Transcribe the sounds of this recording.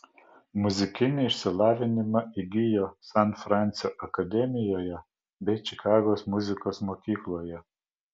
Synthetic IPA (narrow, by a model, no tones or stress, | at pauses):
mʊzʲɪkʲɪnʲɪɪʃʲsʲɪlˠɑːʋʲɪnʲɪmɐɪɡʲɪjoːsɐnfɾɑˑnʲt̪sʲjoːʔɐkɐd̪ʲɛmʲɪjoːjɛ | bʲɛɪt͡ʃʲɪkɑːɡoːsmʊzʲɪkoːsmoːkʲiːklˠoːjɛ